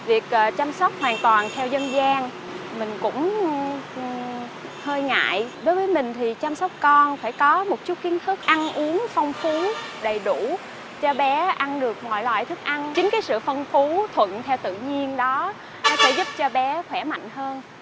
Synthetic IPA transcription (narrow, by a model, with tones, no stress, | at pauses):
vi˨˩ək̚ʔːt͡ɕa˧msa˦˥k͡p̚hwaː˨˩nt̪waː˨˩nt̪ʰɛ˧wzə˧nzaː˧ŋ | mï˨˩ŋ̟kʊ̰˧˥ŋ͡m | həː˧jŋa̰ː˧˨jɗo˨˦jvəː˨˦jmï˨˩ŋ̟t̪ʰi˨˩t͡ɕaː˧msɔ˦˥wk͡p̚kɔ˧nfaː˧˩jkɔ˨˦mo˨˩t̚t͡ɕu˦˥t̚ki˨˦ənt̪ʰɨ˦˥k̚ʔa˧nʔu˨˦əŋfa˧wŋ͡mfu˨˦ɗə˨˩jɗu˧˩ | t͡ɕɔ˧ɓɛ˨˦ʔa˧nɗɨ˨˩ək̚mɔ̰˧˨jlwa̰ː˧˨jt̪ʰɨ˦˥k̚ʔa˧nt͡ɕï˨˦ŋ̟kaː˨˦jsɨ̰˧˨fə˧nfu˨˦t̪ʰwə̰˧˨nt̪ʰɛ˧wt̪ɨ̰˧˨ɲi˧ənɗɔ˨˦ | nɔ˨˦t̪e˧˩zʊ˦˥p̚t͡ɕɔ˧ɓɛ˨˦xwɛ˧˩ma̰˧˨jŋ̟həː˧n